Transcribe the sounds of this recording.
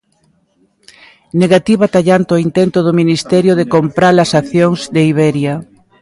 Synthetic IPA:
neɣat̪iβat̪aʎant̪oint̪ɛnt̪ʊðominist̪ɛɾjoðekompɾalɐsaθjoŋzðeiβɛɾjɐ

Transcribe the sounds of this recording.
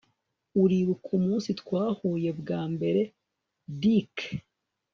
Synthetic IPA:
uɾiɾukʰumuːnsit̪kwaːhuːje̞bɡaːmbe̞ɾe̞ | dik

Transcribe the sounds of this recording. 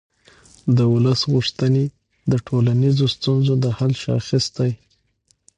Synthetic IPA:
d̪əʊləsɣuʂt̪əne | d̪əʈʰolanizost̪unzod̪əhalʃa̰xist̪aj

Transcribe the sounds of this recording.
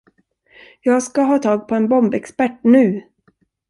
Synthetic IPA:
jɑːɡskaɦɑːt̪ʰɑːɡpʰɔɛnbɔmbɛkspæʈːnʉ̟ː

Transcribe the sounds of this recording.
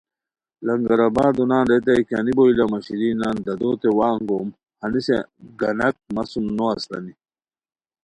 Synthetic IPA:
lɐŋɡɐɾɐbaːd̪unaːnɾet̪̬ɐjka̰niboilamɐɕiɾiːnaːnd̪ɐd̪oːt̪ewaːŋɡoːm | hɐniseɡɐnɐk̚mɐsumnoɐst̪ɐ̰ni

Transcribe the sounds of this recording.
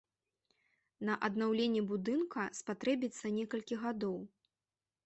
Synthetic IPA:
nɐʔɐd̪nawlʲenʲːɛbud̪ɨnkɐspat̪ɾɛbʲit̪sːɐnʲɛkɐlʲkʲiɣad̪ɔw

